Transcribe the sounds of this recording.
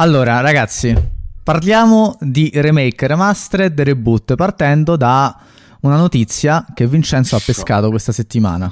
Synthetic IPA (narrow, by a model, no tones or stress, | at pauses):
alːoːɾaɾaɡat̪sːiparljaːmod̪iremejkremast̪ɾed̪eɾebut̪ːpart̪ɛnd̪od̪a | unanot̪it̪sːjak̟evːint͡ʃɛnt̪soapːeskaːt̪okwest̪aset̪ːima̰ːna